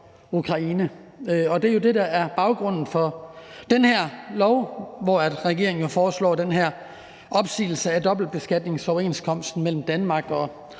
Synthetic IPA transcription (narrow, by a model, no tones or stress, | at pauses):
ukʰʁɑ̈iːnə | ɒ̽d̥e̝ɐjo̝d̥e̝d̥ɑæɐb̥ɑ̈ʊɡ̥ʁɔ̽n̰n̩fɒ̽d̥enheɐ̰lɒʊʋɒːæd̥ʁɛɡ̥e̝ɐ̰eŋn̩jofɒːslɒ̰ːd̥enɦæɐ̰ | ʔɒ̽b̥sḭːl̩səædɒ̽b̥l̩d̚b̥e̝sɡ̥æd̥ne̝ŋsɒʊe̝̰ːnskʰɒ̽m̰sd̥n̩mel̰m̩d̥ænmɑ̈ːɡ̥ɒ̽